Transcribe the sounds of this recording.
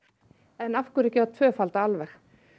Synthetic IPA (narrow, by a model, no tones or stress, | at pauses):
ɛnafkʏɾɛcɪaðt̪ʰvœːfalt̪aalvɛx